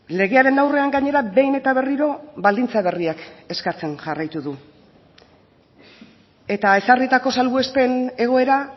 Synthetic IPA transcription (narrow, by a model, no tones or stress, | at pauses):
le̞ɣe̞aɾe̞nawre̞aŋɡaɲe̞ɾabe̞jne̞t̪aβe̞riɾo̞βald̪int͡saβ̞e̞riake̞skat͡se̞nʝarajt̪uðu | e̞t̪ae̞sarit̪ako̞salβue̞spe̞ne̞ɣ̞o̞e̞ɾa